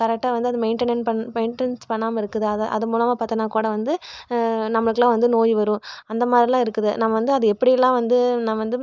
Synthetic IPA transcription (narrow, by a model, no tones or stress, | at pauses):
kɐɾɛk̚ʈːaːʋɐnd̪ɯɐðɯmɛɪɳʈɐnɐnpɐnmeɪɳʈɛnspɐɳːaːmɐɪɾɯkːɯðɯɐðʔɐ̰ðɯmuːlɐmaːpɐt̪ːɐnaːkuːɽɐʋɐnd̪ɯ | nɐmːɐɭɯkːɯlãːʋɐnd̪ɯnoːjiʋɐɾʊ̃ɐnd̪ɐmaːd̪ɾɪlãːɪɾɯkːɯðɯnamːɐʋɐnd̪ɯɐðɯɛpːɐɽɪjɛlːãːʋɐnd̪ɯnaːmɐʋɐnd̪ɯ